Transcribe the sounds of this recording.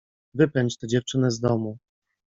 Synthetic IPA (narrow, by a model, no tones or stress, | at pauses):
vɘpɛɲt͡ɕt̪ɛd͡ʑɛft͡ʂɘnɛzd̪ɔmu